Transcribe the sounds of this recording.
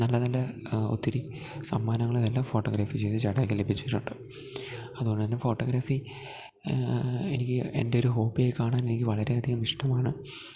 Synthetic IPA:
nɐlːɐnɐlːɐot̪ːiɾi | sɐ̰mːaːnɐŋːɐɭimelːaːmfo̞ːʈːoːɡɾaːfit͡ɕe̞jt̪ɨt͡ɕɐɽɐːkʲːile̞bʱit͡ɕːuijiʈːuɳɖɨ | ɐðuɣoɳɖɨt̪ɐnːe̞fo̞ːʈːoːɡɾaːfi | e̞̰nikʲːɨe̞̰nde̞o̞ɾuɦo̞ːpːijekaːɳaːne̞nikʲːɨʋɐɭɐɾe̞ɐd̪ʱiɣɐmiʂʈɐmaːɳɨ

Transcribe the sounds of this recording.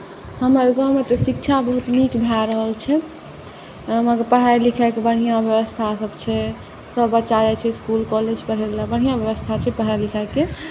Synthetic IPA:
həməɾɡəmet̪əsik̚t͡ʃʰabəɦut̪mikbʱaɾəɦəlt͡ʃʰɛ | məɡəɾpəɦaɾlikʰakebəɽ̤ijãbjəbəst̪ʰasəbt͡ʃʰɛ | səbːətːʃad͡ʒat͡ʃʰɛskulkɔled͡ʒpəɾɦelabəɽ̤ijãbjəbəst̪ʰat͡ʃʰɛpəɦaɾlikʰake

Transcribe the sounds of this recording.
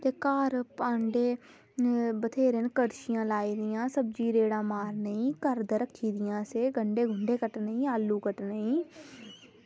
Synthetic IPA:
t̪eːkaːɾpãːɳɖeː | bət̪ʰeːɾenkəɽʃɪjãːlaːiːd̪ɪjãːsəb̚d͡ʒiːɾeːɽãːmaːɾnəĩːkəɾd̪əɾəkʰːiːd̪ɪjãːseːɡəɳɖeːɡʱʊɳɖeːkəʈnəĩːaːlːuːkəʈnəĩː

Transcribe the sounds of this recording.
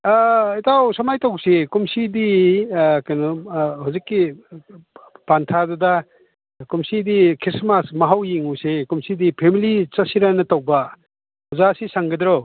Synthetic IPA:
itʰawsɐmajtawsekumsidi | kajnɔhuzikːi | pantʰaduda | kumsidikʰismasmɐɦawjiŋusekumsidipʰemilit͡sɐsiɾanɐtawba | huzasisaŋɡɐd̪ɾɔw

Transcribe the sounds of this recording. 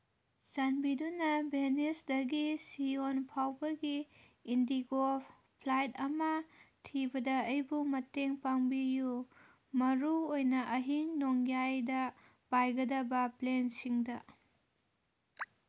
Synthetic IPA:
sanbidunɐbenisdɐɡisionpʰawbɐɡiː | ndiɡop | pʰlajtɐmɐtʰibɐdɐɐjbumɐteŋpaŋbiju | mɐɾuojnɐʔɐɦiŋnoŋjajdɐ | pajɡɐdɐbɐplensiŋdɐ

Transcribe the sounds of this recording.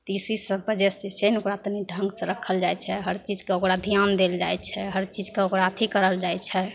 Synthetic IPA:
t̪isisəbbəd͡ʒesisʰenokɾat̪əniɖʱə̃ŋɡsə̃ɾəkʰəld͡ʒajt͡ʃʰɛɦəɾt͡ʃid͡ʒkeokɾad̪ʱijand̪eld͡ʒajt͡ʃʰɛɦəɾt͡ʃid͡ʒkeokɾat̪ʰikəɾəld͡ʒajt͡ʃʰɛ

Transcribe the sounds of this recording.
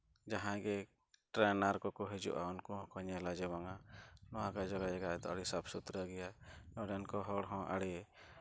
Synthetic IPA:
d͡ʒaɦãɡɛ | ʈɾɛnaɾkɔkɔɦɛd͡ʒṵʔa̰ʊnkɔɦɔ̃kɔɲalad͡ʒɛbaŋanɔãkad͡ʒɔɡad͡ʒɛɡaɛt̪ɔaɽisabsut̪ɾaɡɛjanɔɖɛnkɔɦɔɽɦɔ̃ʔa̰ɽi

